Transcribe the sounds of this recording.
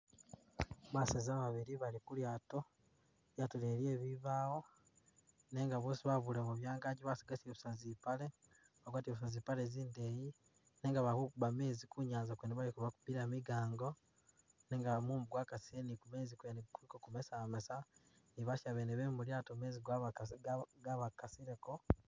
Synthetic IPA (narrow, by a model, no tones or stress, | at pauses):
βasazaβaβiɾiβalikuljaːto | βjatuleɾje̞ːβiβaːwo̞ | ne̞ːŋɡaβoːsiβaβulemuβjaːŋɡaɟiβasiɡasioβu̥sazipale | βaɡwaːtioβusazipaleziːndeji | neŋɡaβakukuβame̞ːzikuɲaːnzakweneβalikuβaku̥piɾemiɡaːŋɡo̞ | neŋɡamuːmbuɡwakasienikume̞ːzikuenkuikokumesamesa | niβaʃaβeːneβemuljaːtome̞ːziɡwa | ɡaβakasiɾeko̞